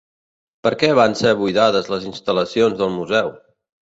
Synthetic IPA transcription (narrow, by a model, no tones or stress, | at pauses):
pəɾkɛβ̞anseβujðaðəzləzinst̪ələsionzðəlˠmuzɛw